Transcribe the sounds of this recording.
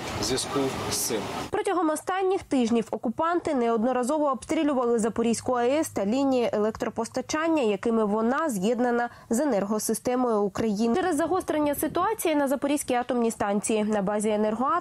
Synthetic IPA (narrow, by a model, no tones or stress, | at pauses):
zʲiskɪwsɪlpɾɔtʲɐɦɔmɔst̪ɑnʲːɪxt̪ɪʒnʲiwɔkʊpɑnt̪ɪnɛɔd̪nɔɾɐzɔʋɔːpst̪ɾʲilʲʊʋɐlˠɪzɐpɔɾʲijsʲkʊɐɛst̪ɐlʲinʲijiʔelˠɛkt̪ɾɔpɔst̪ɐt͡ʃɑnʲːɐjɐkɪmɪʋɔnɑzjɛd̪nɐnɐ | ze̞nɛrɦɔsɪst̪ɛmɔjʊːkɾɐjint͡ʃɾezːɐɦɔst̪ɾenʲːɐsɪt̪ʊɑt͡sʲijinɐzɐpɔɾʲisʲkʲiɑt̪ɔmnʲist̪ɑnʲt͡sʲijinɐbɑzʲienɛrɦɔɑ